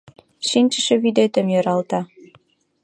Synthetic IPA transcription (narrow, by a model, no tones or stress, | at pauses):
ʃinʲt͡ɕə̆ʃĕβyd̪et̪ə̆mjø̆ɾɑlˠt̪ɑ